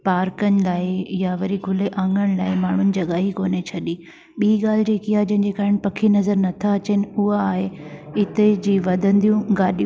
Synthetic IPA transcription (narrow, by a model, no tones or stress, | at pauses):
paːɾkənɪ̆laːɪjaʋɐɾikʰʊleʔãːŋɡəɽ̃ɪ̆laːɪmaːɳ̤ʊnɪ̆d͡ʑɐɠaːɦikoːnet͡ɕʰɐɗiː | ɓiːɠaːl̤ɪd͡ʑeːkiɦaːɦed͡ʑɐ̃ɦɪ̃ɲd͡ʑekaːɪñɪ̆pɐkʰinɐzəɾnɐt̪ʰaɐt͡ɕenɪ̆ʊɦaːɦeɪt̪ed͡ʑiːʋɐd̪ʱə̃nd̪ijũɡaːɗij̃